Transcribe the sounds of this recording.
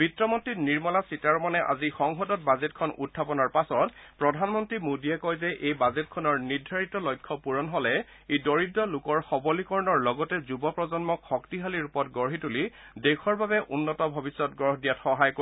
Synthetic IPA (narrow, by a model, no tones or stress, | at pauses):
b̥itɹɔmɔntɹitniɹmɔlasitaɹmanɛʔa̰zixɔŋxɔdɔt̚bazetkʰɔnʔṵtʰːapɔnɔɹpasɔtpɹɔdʱanmɔntɹimodiɛkɔjzɛʔejbazetkʰɔnɔɹniɹdʱaɹitɔlɔjkʰːɔpuɹɔnɦɔlɛ | ejdɔɹidːɔlukɔɹxɔbɔlikɔɹɔnɔɹlɔɡɔtɛzubɔpɹɔzɔnmɔkʰɔktiɦaliɹupɔtɡɔɹɦituli | dekʰɔɹbabɛʔunːɔtɔbʱɔbisːɔt̚ɡɔɹɦdijatxɔɦajko